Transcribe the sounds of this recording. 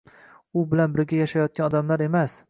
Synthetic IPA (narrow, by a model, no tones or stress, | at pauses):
ʊbɪlanbɪɾɡʲajaʃajɒt̪̚kʲanɒd̪amlaɾe̞mas